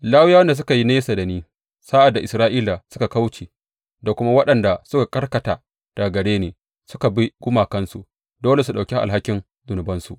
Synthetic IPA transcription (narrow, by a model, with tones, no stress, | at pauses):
laː˦wjaː˦wɐ˦nda˨s̬ʊ˦ka˨ji˦neː˦sa˨da˨niː˦ | saː˦ʔa˨dːa˨ʔɪ˨sɾaː˦ʔiː˦la˨sʊ˦ka˨ka˦wt͡ʃeː˨ | da˨kʷʊ˦ma˦wɐ˦ɗɐ˨nda˨sʊ˦ka˨kʼɐ˦rkɐ˨taː˨ | d̥a˨ɡɐ˨ɽeː˦neː˨ | sʊ˦ka˨bi˦ɡ̥ʷʊ˦maː˨kɐ˦nsu˨ | doː˦le˨s̬u˨ɗa˨kʲi˦ʔa̰˨lɦa˦kʲɪ˦n | zʊ˨nʊ˨bɐ˦nsṵ˨ʔ